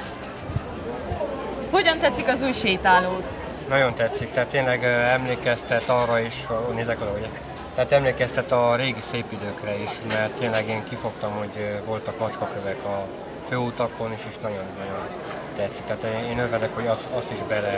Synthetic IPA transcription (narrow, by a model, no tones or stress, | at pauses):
ho̞ɟɒnt̪ɛt̪sikɒzuːjʃeːt̪aːloːt̪ | nɒɟo̞nt̪ɛt̪sik̚t̪ɛɦːt̪ːeːnlɛɡøɛmleːkɛst̪ɛt̪ɒrɒiʃoneːzɛkɒlɒuɟɛ | t̪ɛaːt̪ɛmleːkɛst̪ɛt̪ɒɾeːɡiseːpid̪øːkrɛiʃmɛrt̪ːeːnlɛɡeːŋkifo̞kt̪ɒmho̞ɟvo̞lt̪ɒkmɒt͡ʃkɒkøvɛkɒ | føːut̪ɒko̞niʃeːʃnɒɟo̞nːɒɟo̞n | t̪ɛt̪sːik̚t̪ɛaːt̪eeːnøɾvɛd̪ɛkho̞ɟɒɒst̪iʒbɛlɛ